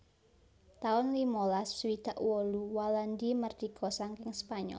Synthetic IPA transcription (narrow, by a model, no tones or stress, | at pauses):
t̪aʊnlimolasːwid̪̥a̤ʔwɔluwaland̪imərd̪̥i̤ɡ̥ɔsaŋkɪŋspaɲɔ̰l